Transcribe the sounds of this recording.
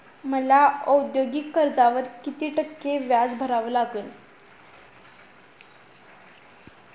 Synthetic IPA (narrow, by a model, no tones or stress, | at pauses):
məlaəd̪joɡikːəɾd͡zaʋəɾkit̪iːʈəkːeʋjad͡zbʱəɾaʋəlaɡən